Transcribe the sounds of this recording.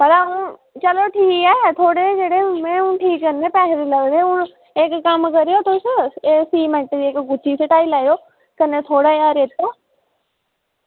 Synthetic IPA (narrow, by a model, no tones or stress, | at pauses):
bɐɽaɦũːt͡ɕɐloʈʰiːkaːet̪ʰoːɽed͡ʒeɽemẽũʈʰiːkːɐnẽpɛɦɪɾilɐɡd̪eũ | ekːɐmkɐɾijot̪ʰosesiːmẽɳʈd͡ʑiːeːkɡʊt͡ʃʰiseʈaːilaːijo | kɐnẽt̪ʰoːɽaaːɾeːt̪o